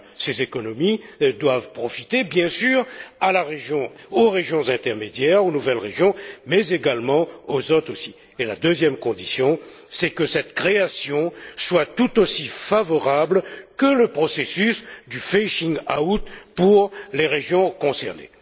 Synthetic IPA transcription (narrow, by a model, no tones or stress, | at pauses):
sezekɔnɔmid̪wavpχɔfit̪ebjɛ̃syʁalaʁeʒjɔ̃ | oʁeʒjɔ̃zɛ̃t̪ɛʁmed̪jɛʁonuvɛlʁeʒjɔ̃mɛzeɡalmɑ̃ozot̪χosi | elad̪øzjɛmkɔ̃d̪isjɔ̃ | sɛkəsɛt̪kχeasjɔ̃swat̪ut̪osifavɔʁablkələpχɔsesysd̪yfɛʃĩŋɡaut̪puʁleʁeʒjɔ̃kɔ̃sɛ̰ʁnḛ